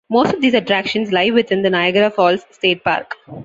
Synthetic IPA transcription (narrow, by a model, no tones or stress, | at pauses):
moːsʈɔʋd̪iːzɐʈɾækʃə̃nslaɪʋɪd̪ɪ̃nd̪ənaɪɡəɾafɔːlsːʈeːʈ̚pa̰ːɾk